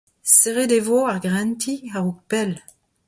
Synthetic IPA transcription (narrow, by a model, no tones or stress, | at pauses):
seʁed̪evoaʁɡʁɛ̃ntʰiaʁuk̚pɛl